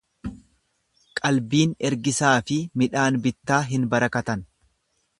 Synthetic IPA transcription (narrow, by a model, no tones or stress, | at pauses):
kʼɐlbiːnɛɾɡɪsaːfɪmɪᶑaːnbɪt̪ːaːɦɪnbɐɾɐkɐt̪ɐn